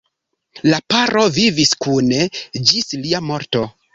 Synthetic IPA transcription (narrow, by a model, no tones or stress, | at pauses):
lapaɾo̞viviskuned͡ʒisliamo̞ɾto̞